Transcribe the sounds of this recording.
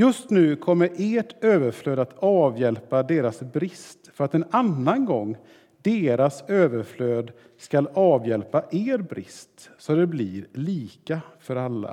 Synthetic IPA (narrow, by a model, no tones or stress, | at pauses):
jɵst̪nʉ̟ːkʰɔmːəɾʔeːʈøːvəɾfløːd̪at̪ɑːvjɛlpad̪eːɾasbɾɪst̪fœɾat̪ɛnanːanɡɔŋː | d̪eːɾasøːvəɾfløːd̪ | skalɑːvjɛlpaʔeːɾbɾɪ̰st̪sɔd̪ɛblɪɾliːkafœɾalːa̰